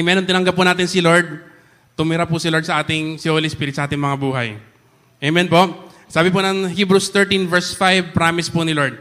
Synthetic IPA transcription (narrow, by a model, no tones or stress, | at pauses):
mɛːɾont̪ɪnɐŋɡɐpʊnaːt̪ɪnsɪloɹd̪̚ | t̪ʊmɪɾapʊsɪloɹd̪sɐʔaːt̪ɪŋsɪʔolɪspiːɾɪt̪sɐʔaːt̪ɪŋmɐŋabuːɦɐ̰j | ʔɛmɛnpoʔ | saːbɪpʊnɐŋhiːbɾust̪ɛɹt̪invɛɹsfajvpɾaːmɪspʊnɪloɹd̪̚